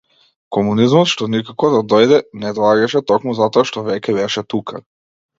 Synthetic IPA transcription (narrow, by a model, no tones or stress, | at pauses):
kɔmunizmɔt̪ʃt̪ɔnikakɔd̪ad̪ɔjd̪ɛnɛd̪ɔaɡaʃɛt̪ɔkmuzat̪ɔaʃt̪ɔvɛcʲɛbɛʃɛt̪ukʰa